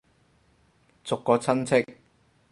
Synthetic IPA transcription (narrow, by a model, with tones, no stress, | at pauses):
t͡sʊ˨kːɔː˨˧t͡sʰɐ˥nt͡sʰɪ˥k̚